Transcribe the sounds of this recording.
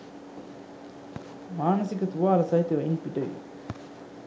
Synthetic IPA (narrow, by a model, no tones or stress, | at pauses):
maːnɐsikət̪uʋaːɐlɐsɐit̪eʋɐinpiʈɐḭʋḛ